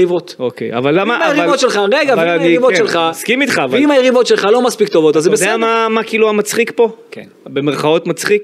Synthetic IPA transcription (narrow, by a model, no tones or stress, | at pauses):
ivot̪okḛja̰valːamaajeʁivotʃelχaʁeɡavnivot͡ʃʃelχaskimit̪χavaimajeʁivo̞tʃe̞lχalo̞maspikt̪o̞vo̞t̪azebesdeɛammamakiiluamat͡sχikpo̞ke | bemeʁχao̞t̪mat͡sχik